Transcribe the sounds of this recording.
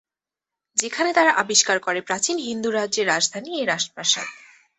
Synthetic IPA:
d͡ʑekʰanet̪aɾaʔabiʃkaɾkoɾepɾat͡ɕinɦind̪uɾadʑeɾːad͡ʑd̪ʱaniejɾaʃtapaʃa̰d̪

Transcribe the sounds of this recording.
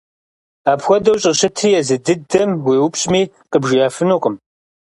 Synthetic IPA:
aːpxʷɔdɐwɕʼɪɕɪtʰijɛzɨdɨdɐmwiːwʊpɕʼmiː | qəbʒiaːfɨnoːqʼəm

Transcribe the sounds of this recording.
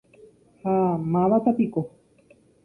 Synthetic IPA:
hamaβat̪apiko

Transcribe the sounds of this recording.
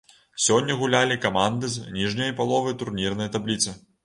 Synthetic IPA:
sʲɔnʲːɐɣulʲalʲikamand̪ɨznʲiʐnʲɐjpalˠɔvɐjt̪urnʲirnɐjɐt̪ablʲit̪sɨ

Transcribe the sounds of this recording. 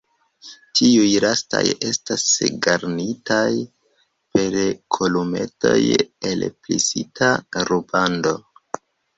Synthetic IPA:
tʰiujɾasta̰je̞stasɡaɾnitaj | pe̞ɾkʰolume̞̰to̞̰je̞lplisitʰaɾubando̞

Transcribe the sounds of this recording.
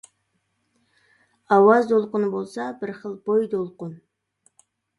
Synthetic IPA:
ɑwɑzd̪olˠqʊnɨbolˠsɑbɪɾχəlˠbojd̪olˠqʊn

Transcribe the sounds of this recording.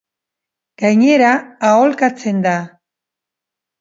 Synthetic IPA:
ɡ̥ajɲe̞ɾaːolkat͡se̞nd̪a

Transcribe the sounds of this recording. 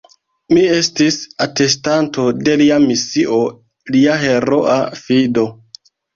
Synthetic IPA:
mie̞stisate̞stanto̞de̞liamisiʔo̞ | liaɦe̞ɾoʔa̰fido̞

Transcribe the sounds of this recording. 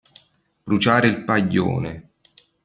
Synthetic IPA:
b̥ɾut͡ʃaːɾeilpaʎːo̰ːne

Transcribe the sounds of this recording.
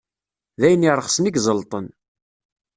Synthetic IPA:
ðæjənːiɾˤəχsmiɡzˤəlt̪ˤən

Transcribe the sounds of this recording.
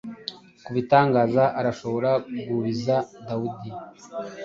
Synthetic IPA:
kuβitaːŋɡaːzaʔaɾaʃo̞βo̞ɾaɡuβizadawudi

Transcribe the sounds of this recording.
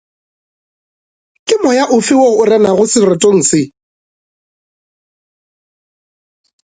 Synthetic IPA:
kʼɪmɔjaʔʊfɪwoʊrɛnaɣʊsɪrɪtʼoŋ̩sɪ

